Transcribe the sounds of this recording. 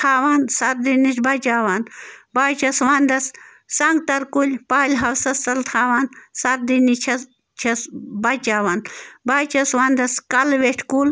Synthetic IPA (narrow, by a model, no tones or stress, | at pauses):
t̪ʰaːʋaːnsɐɾd̪inisbɐt͡ʃaːʋanbaːt͡ʃʰɐsʋand̪ɐs | sɐŋɡ̚t̪ɐɾkulʲpaːlʲɦɐwsɐsɐlt̪ʰaːʋaːnsɐɾd̪init͡ʃʰɐ | t͡ʃʰɐsbɐt͡ʃaːʋanbaːt͡ʃɐsʋand̪ɐskɐlʋeʈʰkul